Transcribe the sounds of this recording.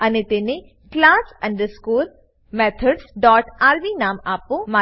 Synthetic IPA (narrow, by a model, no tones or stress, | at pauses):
ɐnet̪enẽ | klaːsɐ̃ɳɖəɾskuːl | meːt̪ʰəɖsɖɔːʈaːɾbiːnaːmaːpõmaː